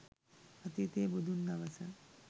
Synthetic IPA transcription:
ət̪it̪eːbud̪ʱund̪ɐʋəsə

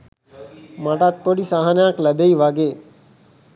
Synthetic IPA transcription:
maʈat̪̚poɽisaɦanjãkləbeiʋaɡe

